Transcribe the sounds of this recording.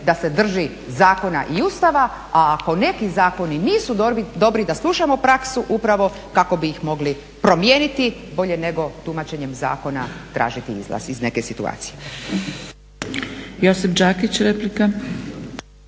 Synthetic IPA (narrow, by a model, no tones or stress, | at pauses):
d̪ase̞d̪r̩ʒi | zaːko̞naʔiust̪aʋa | aːko̞ne̞kizaːko̞niniːsud̪d̪o̞bɾid̪aslˠuʃamo̞pɾaksuʔupɾaʋo̞ | kako̞biːxmo̞ɡli | pɾo̞mjenit̪ibo̞ʎe̞ne̞ɡo̞t̪umat͡ɕe̞ɲe̞mza̰ːko̞nat̪ɾʔa̰ːʒit̪iḭzlˠa̰sizne̞ke̞sit̪ua̰ːt̪sije̞ | jo̞sipd͡ʒaːkit͡ɕɾeplika